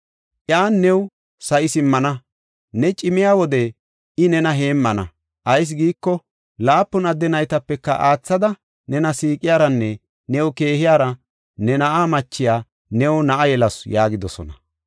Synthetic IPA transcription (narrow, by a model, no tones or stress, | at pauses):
ʔjaːnːɛw | sɐʔɪsɪmːɐnɐ | nɛt͡ʃʼɪmɪjaːwɔd̪ɛ | ɪnɛnɐɦe̞ːmːɐnɐ | ʔɐjs̬ɡiːkːɔ | laːpːʊnɐd̪ːɛnɐjt̪ɐpːɛkːɐ̰ʔaːt͡sːɐd̪ɐ | nɛnɐsiːkʼːɪjaːɾɐnːɛ | nɛwʊke̞ːhɪjaːɾɐ | nɛnɐʔaːmɐt͡ʃːɪjaː | nɛwnɐʔɐjɛlɐsjaːɡɪd̪ɔsɔ̰nɐ